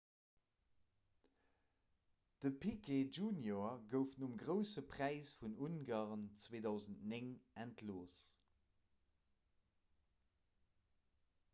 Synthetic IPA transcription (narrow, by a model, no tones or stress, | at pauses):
d̥əpʰikʰed͡ʒuːnjoɐɡəʊfnumɡʁəʊsəpʰʁ̥æɪsfununɡaːʁənt͡sveːdɑʊzəntneŋæntʰloːs